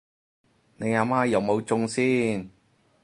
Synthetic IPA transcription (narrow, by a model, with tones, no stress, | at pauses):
ne˨˧jaː˨˧maː˥jɐ˨wmo˨˧wt͡sʊ˧ŋsiː˥n